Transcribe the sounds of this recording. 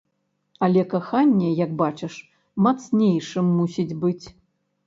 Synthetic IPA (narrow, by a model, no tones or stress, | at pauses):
ɐlʲɛkaxanʲːɛjɐɡbat͡ʂɐʂ | mat̪snʲejʂɨmːusʲid͡zʲbɨt͡sʲ